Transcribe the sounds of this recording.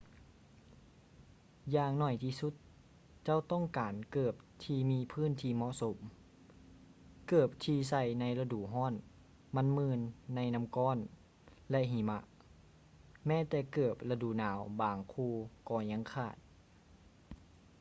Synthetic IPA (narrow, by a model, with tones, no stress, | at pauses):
jaː˧ŋnɔ˧˩jt̪ʰiː˧˨su˧˦t̪̚ | t͡ɕa˧˥˨wt̪ɔ˥˨ŋkaː˨˩nkɤː˧˩p̚t̪ʰiː˧miː˧˥˨pʰɯː˧˥˨nt̪ʰiː˧˨mɔ˧˥˨ʔso˨˦m | kɤː˧˩p̚t̪ʰiː˧s̬a˧˩jna˧˥jla˧duː˨˩˨ɦɔː˧˥˨n | ma˧˥nmɯː˧˨nːa˧jna˧mkɔː˧˥˨n | lɛ˧ʔɦiː˨˦ma̰˧ʔ | mɛː˧˥˨t̪ɛː˧˩kɤː˧˨˩p̚la˧duː˧˨naː˨˦wbaː˨˩ŋkʰuː˧˩kɔː˧˩ɲa˧˥˨ŋkʰaː˧˩t̪̚